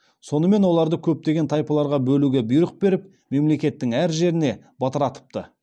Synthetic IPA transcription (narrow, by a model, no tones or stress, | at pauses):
so̞nəme̞nwo̞lˠɑɾd̪əkʲʰɵp̚t̪e̞ɡʲe̞nt̪ʰɑjpɑlˠɑɾʁɑbɵluɡʲebʊjɾəq̚be̞ɾɪp̚ | me̞mle̞kʲe̞t̪ːɪŋæɾʒe̞ɾɪne̞ | bɑt̪əɾɑt̪ə̥p̚t̪ə